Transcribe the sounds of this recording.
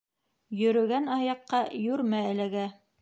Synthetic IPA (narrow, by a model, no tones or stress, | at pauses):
jɵ̆ɾɵ̆ɡænɑjɑqːɑjʉɾmæælæɡæ